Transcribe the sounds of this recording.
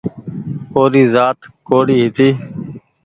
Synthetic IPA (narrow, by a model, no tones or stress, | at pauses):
oːɾiːzaːt̪koːɽiːɦɪt̪iː